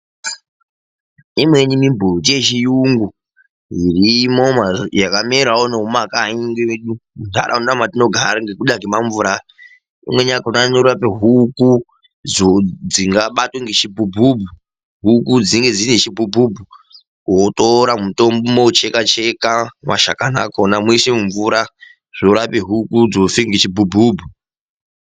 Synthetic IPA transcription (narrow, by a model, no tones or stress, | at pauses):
imwe̞nimimbuut͡ʃeʃijuŋɡu | ɦiɾimomajakameɾaonoɦumakaiŋɡeeɗunta̰ɾʔa̰unamatino̞ɡʱaɾaŋɡekuɗakimaɱvuɾa | ḭmwe̞ɲakananoɾuapeɦuku | d͡zod͡ziŋɡaɓatweŋɡet͡ʃibʱubʱubʱu | ɦukud͡ziŋɡe̞d͡zinet͡ʃibʱubʱubʱu | kotoɾamutombumout͡ʃekat͡ʃekama̰ʃakana̰konamuisimuɱvuɾa | ʐ̥oɾapeɦukud͡zofiŋɡet͡ʃibʱubʱubʱu